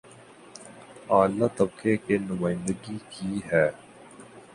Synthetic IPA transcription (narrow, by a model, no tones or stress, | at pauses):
aːlːaːt̪ɐbkekenʊmaːɪ̃nd̪əɡikiɦɛː